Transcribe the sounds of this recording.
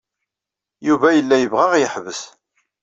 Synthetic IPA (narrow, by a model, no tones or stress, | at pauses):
juvæjəlːæjəvʁæʁjəħvəs